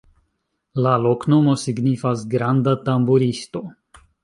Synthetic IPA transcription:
lalo̞kno̞mo̞siɡnifasɡɾandatambuɾisto̞

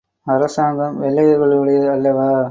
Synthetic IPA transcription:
ɐɾɐsaːŋɡɐmʋɛlːɐjɐɣɐɭɯɽɐjɐɐlːɐʋaː

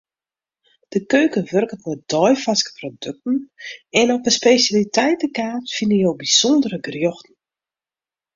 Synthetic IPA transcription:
d̥əkøːkənʋørkətmɛt̚d̥ɔjfaskə̥prodøk̚tn̩ɛnɔpəspeːsjalitʰɛjtəkaːtfinəjowbisɔndəɾəɡrjoxtn̩

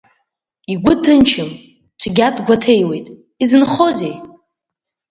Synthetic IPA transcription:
iɡʷʊtʰːɨnt͡ʃʰɨm | t͡ʃʷʰʼɡʲatʰʼɡʷatʰejwe̞jtʼ | izɨnχozej

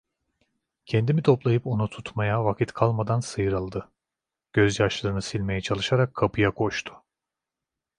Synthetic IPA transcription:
cʰɛnd̪imit̪ʰo̞plˠajɯpo̞nut̪ʰut̪majavakʰit̪kʰalˠmad̪ansɯjɯɾɯlˠd̪ɯ | ɟ̥øzjaʃlˠaɾɯnɯsilʲmejɛt͡ʃʰalˠɯʃaɾakʰːapʰɯjakʰo̞ʃt̪ʰʊ̥

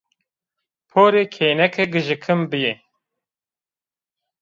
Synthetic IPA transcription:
pʰoːɾeːkʰeːnɛkʰeɡɨʒɨkʰɨmbɨje

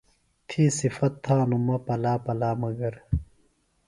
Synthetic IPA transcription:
t̪ʰiːsifɐt̪ʰːaːnumɐpɐlaːpɐlaːmɐɡɐɾ

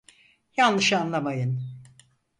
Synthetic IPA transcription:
janlˠɯʃanlˠamajɯn

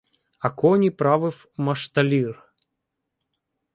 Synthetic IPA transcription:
ɐkɔnʲipɾavɨf | mɐʂt̪ɐlʲir

